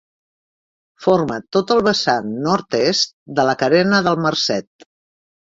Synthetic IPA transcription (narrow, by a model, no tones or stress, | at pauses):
foɾmət̪ot̪əlˠβəsanːɔɾt̪est̪̚d̪ələkəɾɛnəðəlˠmərsɛt̪̚